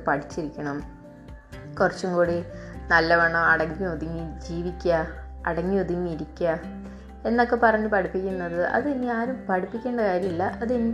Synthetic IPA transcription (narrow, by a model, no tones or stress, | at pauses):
pɐʈit͡ɕːiɾikʲːɐɳɐm | kurɐt͡ɕːumkuːɽinɐlːɐʋɐɳːɐmɐɽɐŋːioðiŋːid͡ʑiːʋikʲːɐ | ɐ̰ɽɐŋːioðiŋːiiɾikʲːɐ | e̞nːo̞kːe̞pɐrɐɲːɨpɐʈʰipːikʲːunːɐðɨʔɐ̰ðɨnːiaːɾumpɐʈʰipːikʲːe̞ːɳɖɐkaːɾjɐmilːɐʔɐðend